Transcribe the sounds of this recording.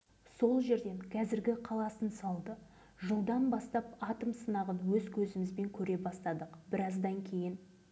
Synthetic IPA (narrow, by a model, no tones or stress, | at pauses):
so̞lˠʒe̞ɾd̪e̞ŋkʲʰɑzɪɾɡʲɪqʰɑlˠɑsənsɑlˠd̪ə | ʒəlˠd̪ɑnbɑst̪ɑpɑt̪əmsənɑʁənwɵzkʲʰɵzɪmɪzbe̞ŋkʲʰɵɾe̞bɑst̪ɑd̪əqbɪɾɑzd̪ɑŋkʲʰe̞jɪn